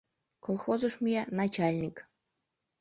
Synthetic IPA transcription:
kolˠxozuʂmʲienɑt͡ɕalʲnʲik

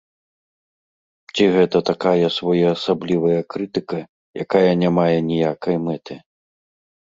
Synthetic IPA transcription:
t͡sʲiɣɛt̪ɐt̪akajɐsvɔjɛːsablʲivɐjɐkɾɨt̪ɨkɐ | ja̰kajɐnʲamajɛnʲijakɐjmɛt̪ɨ

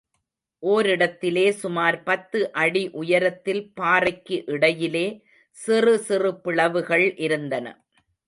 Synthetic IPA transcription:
ʔoːɾɪɽɐt̪ːɪleːsʊmaːɾpɐt̪ːɯʔɐɽiʔʊjɐɾɐt̪ːɪlpaːrɐɪkːɯʔɪɽɐjɪleː | sɪrɯsɪrɯpɪɭɐʋɯɣɐɭʔɪɾɯnd̪ɐnɐ̰

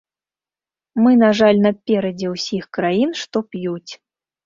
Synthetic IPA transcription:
mɨnaʐalʲnɐpʲɛɾɐd͡zʲɛwsʲixkɾajinʂt̪ɔpjut͡sʲ

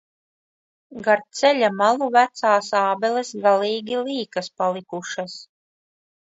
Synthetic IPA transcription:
ɡaɾt̪sɛlʲamalˠuvæt̪saːsaːbɛlesɡaliːɡʲilˠiːkaspalˠikuʃas

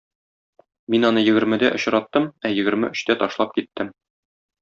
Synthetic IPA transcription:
minɒnɤjɘ̆ɡɘ̆ɾmɘ̆d̪æʔŏɕɾɑt̪ːɤmæjɘ̆ɡɘ̆ɾmɘ̰ʔɵ̆ɕt̪æt̪ɒʃlˠɑp̚kit̪ːɘm

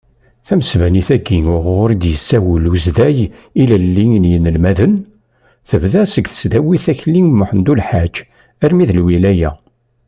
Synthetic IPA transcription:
θæməsvæniθæɡːiŋʊʁʊɾid̪jəsːæwəluzðæjilælːiŋnjənəlmæðən | θəvðæsəɡθə̥sd̪æwiθæçlːiŋmʊħənd̪ulħad͡ʒ | æɾmiðəlwilæjæ

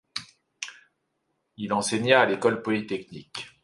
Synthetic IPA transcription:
ilɑ̃seɲaːlekɔlpɔlit̪ɛknik

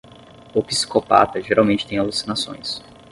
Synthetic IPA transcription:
ʊpi̥si̥kopa̰t̪ɐʒeɾʔawmẽnt͡ʃɪ̥t̪ẽj̃alusinasõ̰j̃s

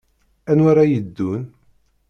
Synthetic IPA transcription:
ænwaɾajəd̪ːun

